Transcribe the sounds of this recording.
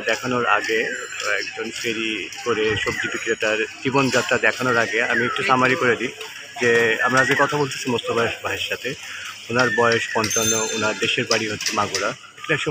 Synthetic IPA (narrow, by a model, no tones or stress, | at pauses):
d̪ɛkʰanoɾa̰ɡe | ɛ̰kd͡ʑonfeɾikoɾeʃob̚d͡ʑibikɾet̪aɾd͡ʑibond͡ʑat̪ːɾad̪ɛkʰanoɾaɡeamiek̚ʈuʃamaɾikoɾed̪i | d͡ʑea̰mɾaazɡekɔt̪ʰabolt̪e̥sʰimost̪ʰobaeʃbaɦeɾʃat̪ʰeunaɾbɔeoʃpɔnt̪anounaɾd̪eʃeɾbaɽiɦot̪ːʰemaɡoɾa | ekɛkʃɔ